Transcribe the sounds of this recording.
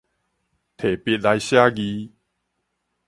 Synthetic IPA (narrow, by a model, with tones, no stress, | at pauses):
t̪ʰe˨˩pi˧˨t̚la˧jɕja˦ɡi˧